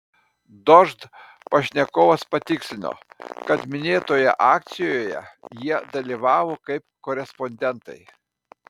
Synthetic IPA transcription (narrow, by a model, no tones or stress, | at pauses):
d̪ɔʒt̪ | pɐʃʲnʲɛkoːʋɐspɐt̪ʲɪksʲɪnʲo̰ːkɐt̪mʲɪnʲeːt̪oːjɛ̰ʔɑːk̚t̪sʲɪjoːjɛ̰jiɛd̪ɐlʲiʋɑːʋoːkɐɪpkoːɾʲɛspɔnʲd̪ʲɛnt̪ɐɪ